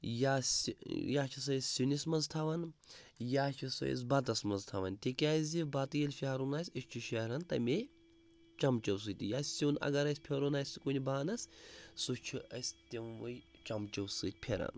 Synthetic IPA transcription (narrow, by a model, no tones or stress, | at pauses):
jasjaːt͡ʃʰis̬ɐsʲsʲinismɐnzt̪ʰɐʋɐnjaːt͡ʃʰiso̰ḭs̬bɐt̪ɐsmɐnzt̪ʰɐʋɐ̰nt̪ʲekʲaːzʲibat̪ɨjilʲfʲiaɾunaːsʲiʃt͡ʃʰiʃɐɾɐnt̪ɐ̰mʲe | t͡ʃɐmt͡ʃɐws̬ɨt̪ʲijaːsʲsʲinɐ̰ɡɐɾɐsʲpʲʰeɾonaːjsʲkunʲibaːnɐssut͡ʃʰiɐ̰sʲt̪ʲiʋɨjt͡ʃɐmt͡ʃɐwsɨt̪̚ʲpʰeɾa̰n